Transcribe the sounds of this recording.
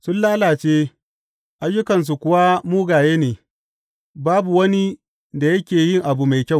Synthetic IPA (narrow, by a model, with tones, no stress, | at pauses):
sʊ˦nlaː˦laː˨t͡ʃeː˦ | ʔa˦jːʊ˦kɐ˨ns̬u˨kʷʊ˦wa˦muː˦ɡaː˨jeː˦neː˨ | baː˦bu˨wɐ˦ni˦ | da˨jɐ˦kʲeː˨jɪ˦ŋʔa˨bu˨ma˨jkʲɐ˦˨w